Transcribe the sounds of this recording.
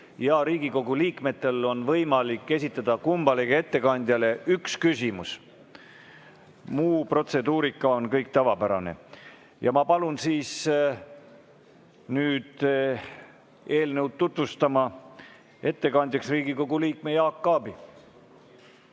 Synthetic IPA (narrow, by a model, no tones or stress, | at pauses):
jɑɾiːɡ̥iko̞ɡ̥uliːkme̞t̪ːˑe̞lo̞nvɤjmɑlikːe̞sʲit̪ːˑɑd̪̥ɑkumb̥ɑlikee̞t̪ːe̞kɑnʲd̪jɑle̞ykskysʲimus | muːpro̞t̪se̞d̪uːɾikːˑɑo̞nkɤjk̚t̪ɑvɑpæɾɑne̞̰ | jɑmɑpɑlunsiːs | nyːd̪̥ | e̞ːlnewd̪̚t̪ːut̪vust̪ɑmɑ | e̞t̪ːe̞kɑnʲd̪ʲjɑksriːɡiko̞ɡuliːk̚mejɑːkːɑːbi